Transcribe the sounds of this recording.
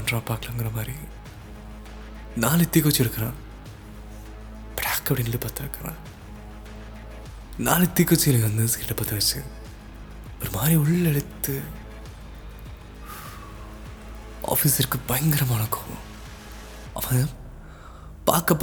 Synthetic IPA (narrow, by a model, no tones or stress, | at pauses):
ɐɳɾãːpaːkɐlɐŋɡɪɾɐmaːd̪ɾi | naːlɪt̪ːikːɔt͡ʃːɪɾɯkːɐɾãː | bɾaːkːɐpɐɽinɐlːɯpaːt̪ːɐɯkːɐɾã̰ː | naːlɪt̪ːikːɔt͡ʃːlːɐŋɡɐnɯskiʈlɐpaːt̪ːɐʋɐt͡ʃːɯ̰ | ɔɾɯmaːd̪ɾiɔɭːɛɽɯt̪ːɯ | a̰ːfiːsɪɾkːɯpɐjɐŋɡɐɾɐmaːnɐkːõː | ɐmːa | pa̰ːkɐpː